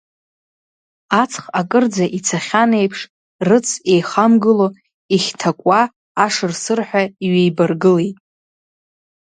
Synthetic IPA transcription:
at͡sʰʼχakʼɨrd͡zaʔit͡sʰaχʲane̞jpʰʂ | rɨt͡sʰe̞jχamɡɨlo̞ | iχʲtʰakʷʼaː | ʂɨrsɨrħʷᶣaiɥejbarɡɨlejtʼ

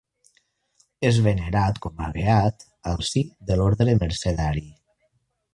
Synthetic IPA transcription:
ezβeneɾat̪kɔma̰βeat̪ | əlˠsiðəloɾðɾeməɾseðaɾi

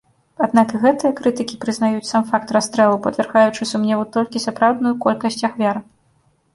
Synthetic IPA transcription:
ad̪nakɣɛt̪ɨjɐkɾɨt̪ɨkʲipɾɨznajut͡sʲsamfakt̪rast̪ɾɛlˠupɐd̪vʲɛrɣajut͡ʂɨsumnʲɛvut̪ɔlʲkʲisapɾawd̪nujukɔlʲkɐsʲt͡sʲaxvʲaɾ

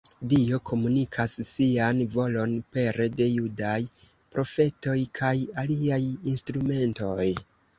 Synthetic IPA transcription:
dio̞kʰo̞munikʰasːianvo̞lo̞npe̞ɾde̞judaj | pɾo̞fe̞to̞jkʰajaliajinstɾume̞nto̞j

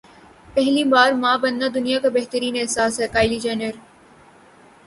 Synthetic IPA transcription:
pɛɦlibaːɾmãːbɐ̃nːad̪ʊnijakabɛɦt̪əɾiːnɛɦsaːsɦɛkaːɪlid͡ʒaːnəɾ

